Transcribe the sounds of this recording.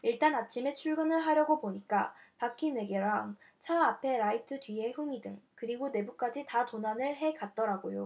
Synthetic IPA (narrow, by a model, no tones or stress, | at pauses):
iɭt͈anat͡ɕʰime̞t͡ɕʰuɭɡɯnɯɭɦaɾjʌɡoboɲik͈apak͈ʰine̞ɡeɾaŋ | t͡ɕʰaapʰe̞ɾaitʰɯdɥie̞ɸɯmidɯ̰ŋkɯɾiɡone̞buk̚k͈ad͡ʑitatonanɯɭɦe̞kat̚t͈ʌɾaɡojo